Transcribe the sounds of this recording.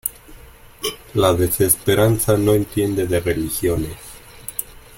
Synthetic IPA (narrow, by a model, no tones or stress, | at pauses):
laðe̞se̞speɾansano̞ent̪je̞nd̪e̞ðere̞lixjo̞nes